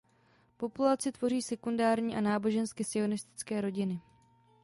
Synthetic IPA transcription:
po̞pulat͡sɪt̪vo̞riːsɛkundaːɾɲiːʔanaːbo̞ʒɛnskɪsɪo̞nɪst̪ɪ̥t͡skɛːɾo̞ɟɪnɪ

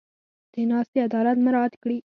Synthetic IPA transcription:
d̪̥enɑst̪ead̪ɑlat̪maɾɑat̪kɽi

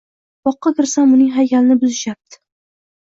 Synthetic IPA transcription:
b̥ɒqʰːɑkʲɪɾsamʊnɪŋɦajkʲalɪnɪbʊzɪʃap̚t̪ʰɪ̥

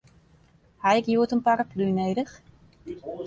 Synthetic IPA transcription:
hajɪkjuətənparaplynejdəx

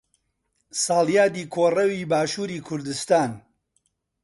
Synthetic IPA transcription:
saːljaːd̪iːkʰoːrɐwiːbaːʃuːɾiːkʰʊɾd̪ɨst̪aːn

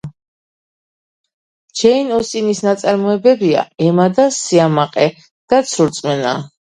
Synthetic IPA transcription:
d͡ʒʰɛinɔst̪ʼinisnat̪sʼaɾmɔɛbɛbia̰ɛmad̪asiamaqʼɛ | d̪̥at̪sʰuɾt̪sʼmɛna̰

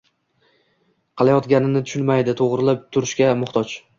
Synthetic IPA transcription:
qʰɨlˠajɒt̪ɡʲanɪnɪt̪ʰʊʃʊnmajd̪ɪt̪ʰoʁɾɪlapt̪ʰʊɾɪʃkʲamʊχt̪ʰɒt͡ʃ

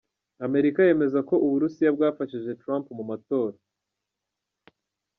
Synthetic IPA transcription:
ame̞ɾikaje̞ːme̞zako̞ʔuβuɾusijabɡaːfaʃiʒe̞tɾampmumato̞ːɾa

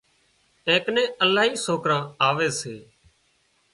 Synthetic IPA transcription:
ẽːknẽːəlaːɦiːsoːkɾãːaːʋeːseː

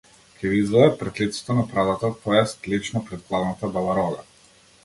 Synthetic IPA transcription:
kʰʲɛɡizvɔd̪ɛpɾɛt̪lit̪sɛ̥t̪ɔnapɾad̪at̪akʰɔjast̪lit͡ʃnɔpɾɛt̪̚plˠavnat̪abalaɾɔɡa

